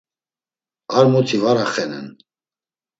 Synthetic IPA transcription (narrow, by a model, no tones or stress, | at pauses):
aɾmut̪ʰivaɾaχɛnɛ̰n